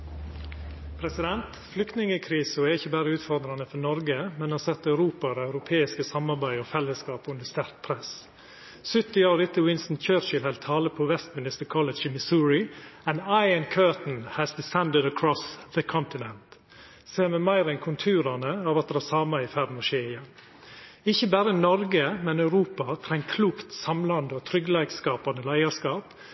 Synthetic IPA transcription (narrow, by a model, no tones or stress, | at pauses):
pʰɾɛsɪd̪ɛnt̪ | flʏkt̪nɪŋəkʰɾiːsəɔɛɾɪçəbæːɾəʉːt̪fɔɾd̪ɾɑnəfɔnɔɾɡəmɛnhɑːsɛt̪ːɑʉɾuːpɑɾɑʉɾʊpʰeːɪskəsɑmɑɾbæɪɔːfɛlːəskɑːpʉnd̪əst̪æɾt̪̚pʰɾɛs | sʏt̪ːɪɑːɾɪt̪ːəwɪnst̪n̩t̪t͡ʃøːɾt͡ʃɪlhɛlt̪ʰɑːləpʰɔʋɛst̪mɪnɪst̪əɾkʰɔləd͡ʒɪmɪsuːɹɪɛnaɪənkʰøːt̪n̩hæsd̪ɪsɛnd̪əd̪əkʰɹɔsðəkʰɔnt̪ɪnɛnt̪ | seːmɛmæɪɾɛnkʰʊnt̪ʰʉːɾɑnəɑːʋɑt̪̚d̪ɛæsɑːmɑɪfæd̪n̩ɔʃeːɪjɛn | ɪçəbæːɾənɔɾɡəmɛnɑʉɾuːpɑt̪ʰɾɛŋkʰluːkt̪sɑmlɑnd̪əɔt̪ʰɾʏɡlæɪkskɑːpɑnəlæɪɑskɑːp